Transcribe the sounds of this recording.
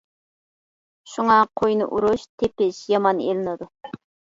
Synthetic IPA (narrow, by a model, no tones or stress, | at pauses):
ʃuŋɑqʰojnɨ̰ʔuɾuʃt̪ʰepɪʃjɑmɑnḛlɪnɪd̪u